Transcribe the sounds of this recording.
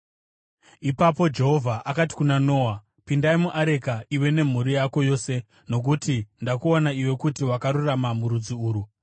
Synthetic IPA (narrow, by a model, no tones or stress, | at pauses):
ipapo̞d͡ʒe̞ɦo̞vʱaʔakati̥kunano̞ːwa | pindaimuʔaɾe̞kaiwe̞ne̞m̤uɾijako̞jo̞ːse̞ | no̞k̬utindakuonaiwe̞kutiwakaɾuramamuɾud͡ziuːɾu